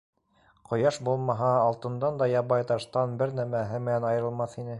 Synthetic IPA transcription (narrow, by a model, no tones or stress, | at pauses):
qʰŏjɑʃbulˠmɑɦɑːlˠt̪ɤ̆nd̪ɑnd̪ɑjɑβɑjt̪ɑʃt̪ɑnbɘɾnæmæɦɘmɘ̆nænɑjɤɾɤ̆lˠmɑθinɘ